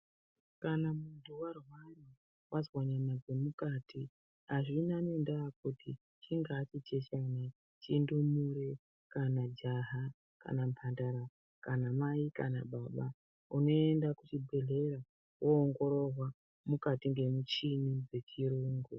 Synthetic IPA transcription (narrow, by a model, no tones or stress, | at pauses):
kanamuntuwarwara | wʔazwaɲanaɡemukatʰi | aʐinanoendakuti | t͡ʃiŋɡaːt͡ʃit͡ʃet͡ʃana | t͡ʃindumuɾe | kanad͡ʒaɦa | ka̰nampʰandaɾa | kanamaika̰na̰ɓaɓa | uno̞e̞ndakut͡ʃibʱe̞ɮe̞ɾa | wʔoːŋɡo̞ɾo̞rwa | mukatiŋɡe̞mut͡ʃinid͡ze̞t͡ʃiɾuːŋɡu